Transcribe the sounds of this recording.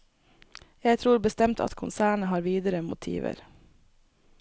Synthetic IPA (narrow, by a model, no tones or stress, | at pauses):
jæɪt̪ʰɾuːɾbəst̪ɛmt̪ʰɑ̰t̪kʰʊnsæːɳəɦɑːɾʋiːd̪əɾəmʊ̰t̪ʰḭːʋə̰ɾ